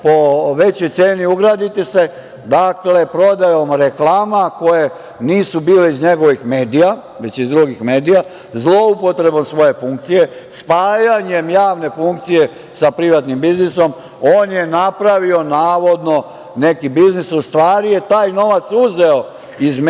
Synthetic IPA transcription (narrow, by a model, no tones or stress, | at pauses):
poʋe̞t͡ɕojt̪seːniuɡɾaːd̪it̪ise̞ | d̪akle̞pɾo̞d̪ajo̞mɾe̞klaːmako̞je̞ | niːsubiːleizɲe̞ɡo̞ʋixme̞ːd̪ija | ʋe̞t͡ɕizd̪ɾuɡixme̞ːd̪ija | zlˠo̞upo̞t̪ɾe̞bo̞msʋo̞je̞fuŋk̚t̪sije̞spaːjaɲemjaːʋne̞fuŋk̚t̪sije̞ | sapɾiʋat̪nimbizniso̞m | oːnje̞napɾaʋio̞naːʋo̞d̪no̞ | ne̞kibiznisust̪ʋaːɾije̞t̪aːjno̞ʋat̪suze̞o | izm